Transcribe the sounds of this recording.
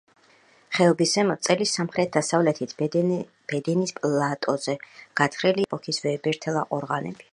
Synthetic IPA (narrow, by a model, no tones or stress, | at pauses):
χɛlˠbisɛmɔt̪sʼɛlisamχɾɛt̪̚d̪asavlɛt̪ʰit̪ʰ | b̥ɛd̪ɛnispʼlˠat̪ʼɔzɛɡ̥at̪ʰχɾɛliɛpʼɔkʰisvɛbɛɾt̪ʰɛlˠaqʼɔɾʁanɛ̰b̥i̥